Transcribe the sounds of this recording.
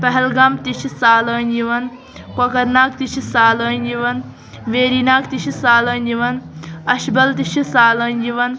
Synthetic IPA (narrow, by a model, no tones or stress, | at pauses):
pɐɦɛlɡamt̪iʃʰisaːlɐːnjiʋɐn | kɐkɐɾnaːkt̪iʃʰisaːləːnjiʋɐn | ʋeːɾiːnaːkt̪iʃʰisaːlɐːnjiʋɐnɐʃbɐlt̪iʃʰisaːləːnjiʋɐn